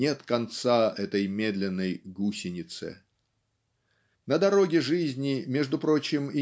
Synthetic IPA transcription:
e̞t̪kɐnt̪saɛt̪əjmʲe̞d̪lʲɪnːəjɡusʲɪnʲɪt̪sɨ̰ | nəd̪ɐɾo̞ɡʲɪʐɨzʲnʲɪmʲe̞ʐd̪ʊpɾo̞t͡ɕɪmɪ

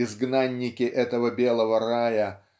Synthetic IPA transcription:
ɪzɡnanʲːɪkʲɪʔɛt̪əvəbʲe̞lˠəvərajə

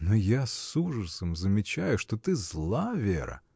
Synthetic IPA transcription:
nojasuʐəsəmzəmʲɪt͡ɕæjʊʂt̪ot̪ɨzlˠavʲeɾə̰

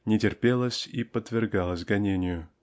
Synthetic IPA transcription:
nʲɪtʲɪrpʲelˠəsʲipət̪vʲɪrɡɑlˠəsʲɡɐnʲenʲɪjʊ

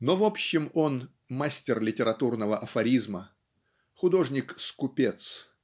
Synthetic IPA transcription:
novopɕːɪmon | masʲtʲɪrlʲɪtʲɪɾɐt̪urnəvəʔɐfɐɾʲizmə | xʊd̪o̞ʐnʲɪkskʊpʲet̪s

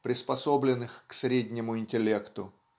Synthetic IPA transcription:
pɾʲɪspɐsoblʲɪnɨxksɾʲedʲnʲɪmʊɪnʲtʲɪlʲe̞kt̪ʊ

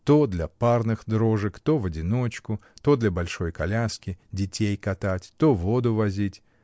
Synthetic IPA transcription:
t̪od̪lʲɐparnɨxd̪ɾoʐɨkt̪ovədʲɪnot͡ɕkʊt̪o̞d̪lʲɐbɐlʲʂo̞jkɐlʲaskʲɪdʲɪtʲejkɐt̪atʲt̪ovo̞d̪ʊvɐzʲitʲ

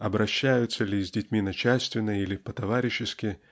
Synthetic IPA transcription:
ɐbɾɐɕːajʊt̪sɐlʲizʲdʲɪtʲmʲinɐt͡ɕalʲsʲt̪vʲɪnːɐilʲɪpɐt̪ɐvaɾʲɪɕːɪskʲɪ

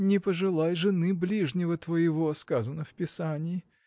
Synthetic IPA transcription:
nʲɪpəʐɨlˠajʐɨnɨblʲiʐnʲɪvət̪vəjɪvoskazənəfpʲɪsanʲɪː

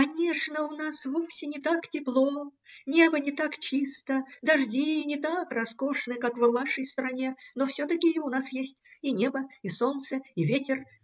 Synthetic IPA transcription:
kɐnʲe̞ʂnəʊnasvofsʲɪnʲɪt̪aktʲɪplˠonʲe̞bənʲɪt̪akt͡ɕist̪əd̪ɐʐdʲinʲɪt̪akrɐsko̞ʂnɨkakvnaʂəjst̪ɾɐnʲe̞nofsʲot̪əkʲɪːʊnasjesʲtʲinʲe̞bəiso̞nt̪səɪvʲetʲɪr

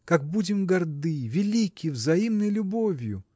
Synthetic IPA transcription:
kak̚budʲɪmɡɐrd̪ɨvʲɪlʲikʲɪvzɐimnəjlʲʊbovʲjʊ̰

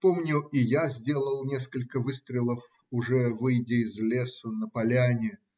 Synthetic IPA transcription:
pomnʲʊʔɪjazʲdʲe̞lˠəlˠnʲe̞skəlʲkəvɨst̪ɾʲɪlˠəf | ʊʐɛvɨjdʲɪɪzʲlʲesənəpɐlʲanʲɪ

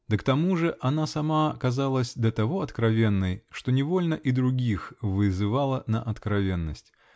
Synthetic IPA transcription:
d̪̥ɨkt̪ɐmuʐɨʔɐnasɐmakɐzalˠəsʲd̪ʲɐt̪ɐvo̞ɐt̪kɾɐvʲe̞nːɨjʂt̪o̞nʲɪvo̞lʲnəʔid̪ɾʊɡʲixvɨzɨvalˠənəʔɐt̪kɾɐvʲe̞nːəsʲtʲ

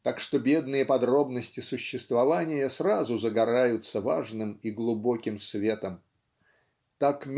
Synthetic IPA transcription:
t̪akʂt̪o̞bʲe̞d̪nɨjəpɐd̪ɾo̞bnəsʲtʲɪsʊɕːɪst̪vɐvanʲɪjəsrazʊzəɡɐɾajʊt̪səvaʐnɨmiɡlˠʊbo̞kʲɪmsvʲe̞t̪əm | t̪akmʲ

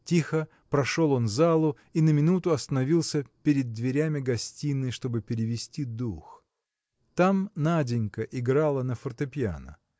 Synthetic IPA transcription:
tʲixə | pɾɐʂo̞lˠo̞nzalˠʊ | inəmʲɪnut̪ʊɐst̪ənɐvʲilˠsʲəpʲɪɾʲɪd̪̚ːvʲɪɾʲæmʲɪɡɐsʲtʲinːɨjʂt̪o̞bɨpʲɪɾʲɪvʲɪsʲtʲid̪ux | t̪amnadʲɪnʲkəʔɪɡɾalˠənəfərt̪ɨpʲja̰nə̰

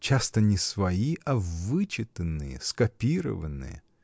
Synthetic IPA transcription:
t͡ɕast̪ənʲɪsvɐiʔɐvɨt͡ɕɪt̪ənːɨjə̰skɐpʲiɾə̰vənːɨ̰jə̰

